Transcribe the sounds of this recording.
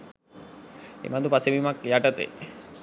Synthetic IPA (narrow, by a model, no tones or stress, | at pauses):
ḛmad̪upasebimakjaʈat̪ḛ